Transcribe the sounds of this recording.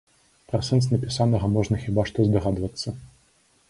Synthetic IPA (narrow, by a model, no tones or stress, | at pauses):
pɾɐsɛns̬nɐpʲisanɐɣɐmɔʐnɐxʲibaʂt̪ɔzd̪ɐɣad̪vɐt̪sːɐ